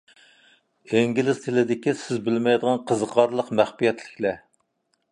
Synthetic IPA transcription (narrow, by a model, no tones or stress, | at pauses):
eŋɡʲilɪz̥t̪ʰɪlɪd̪ɪkʲisɪzbɪlmɛjd̪əʁɑnqʰəzəqʰɑɾlˠəqmæχpijɛt̪lɪkʲlɛ